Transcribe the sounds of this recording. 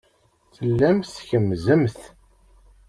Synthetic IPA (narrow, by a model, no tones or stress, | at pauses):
θəlːæmθçəmːzəmθ